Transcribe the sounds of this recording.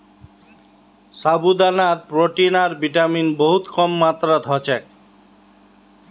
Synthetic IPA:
sabud̪anat̪̚pɾoʈinaɾbiʈaminboɦut̪kɔmːat̪ɾad̪ʱɔt͡ɕʰek

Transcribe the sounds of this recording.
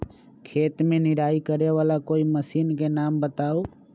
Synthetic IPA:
kʰeːt̪mẽnɪɾaːikəɾeʋaːlakoːiməsiːnkenaːmbət̪aːoː

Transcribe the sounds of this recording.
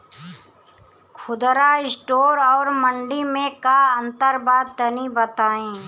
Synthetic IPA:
kʰʊd̪ɾaɪsʈoːɾɔːɾmə̃ɳɖimẽkaə̃nt̪əɾbaːd̪̚t̪ənibət̪aːẽː

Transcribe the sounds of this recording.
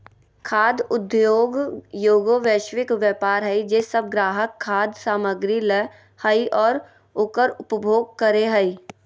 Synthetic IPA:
kʰaːd̪ʊd̪joːɡjoːɡoʋeːʃwɪkʋjɛːpaːɾɦɛid͡ʒeːsəb̚ɡɾaːɦəkʰːaːd̪saːməɡɾilɛ | həiʔɔːɾ | ʊkəɾʊpəbʱoːɡ̚kəɾeɦəi

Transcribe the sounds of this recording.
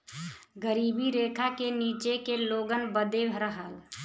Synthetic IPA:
ɡəɾiːbiɾeːkʰakenit͡ʃekeloɡənbəd̪ebʱɾəɦəl

